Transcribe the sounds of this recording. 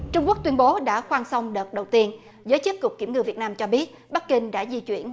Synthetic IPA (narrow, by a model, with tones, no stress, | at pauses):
t͡ɕʊ˧ŋ͡mku˦˥ək̚t̪wənɓo˨˦ɗa̰ː˧˥xwaː˧nsə˧wŋ͡mɗəː˨˩t̚ɗə˨˩wt̪i˧ən | zəː˨˦jt͡ɕɨ˦˥t̚kʊ˨˩k͡p̚ki˧˩mŋɨ̰˧˩vi˨˩ət̚naː˧mt͡ɕɔ˧ɓi˦˥ət̚ | ɓa˦˥kï˧ŋ̟ɗa̰ː˧˥zi˧t͡ɕwi˧˩ən